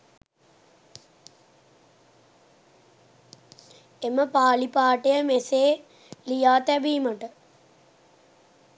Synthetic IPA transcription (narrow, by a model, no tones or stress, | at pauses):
eməpaːlipaːʈejəmeseː | lijaːt̪æbiːməʈə